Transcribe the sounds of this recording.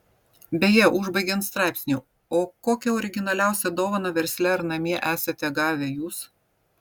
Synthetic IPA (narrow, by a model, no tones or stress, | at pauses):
bʲɛjɛʔʊʒbɐɪɡʲɛnt̪st̪ɾɑˑɪpʲsʲnʲuː | oːkoːkʲɛɔːɾʲɪɡʲɪnɐlʲæˑʊsʲɛd̪oːʋɐnɐʋʲɛɾʲsʲlʲɛɐɾnɐmʲiɛʔæːsɐt̪ʲɛɡɑːʋʲɛjuːs